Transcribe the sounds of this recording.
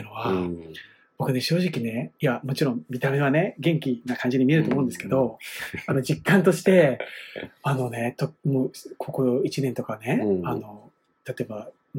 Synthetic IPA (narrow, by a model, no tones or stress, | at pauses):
ɯ̟no̞βa | b̥o̞kɯ̟ne̞ɕo̞ːʑikʲine̞imamo̞t͡ɕiɾõ̞mmʲit̪ame̞β̞ane̞ɡẽ̞ŋkʲinakãɲ̟d͡ʑiɲ̟imʲie̞ɾɯoːmoɯ̃nd̪esɨ̥ked̪o̞ano̞d͡ʑikːãnt̪o̞ɕi̥t̪e̞ | ano̞ne̞t̪omoːkʰo̞koit͡ɕinẽnt̪okane̞ano̞ | t̪at̪o̞eba